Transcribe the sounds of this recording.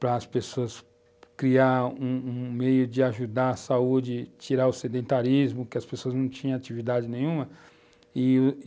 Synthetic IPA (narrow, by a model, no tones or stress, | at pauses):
pɾɐːspesoɐs | kɾiaũũmejʊd͡ʒɪaʒud̪aɾɐsaud͡ʒɪt͡ʃiɾaʊsed̪ẽnt̪aɾizmʊkɪɐspesoɐznɐ̃w̃t͡ʃĩɲɐ̃at͡ʃivid̪ad͡ʒɪnẽj̃ũmɐ | ɪ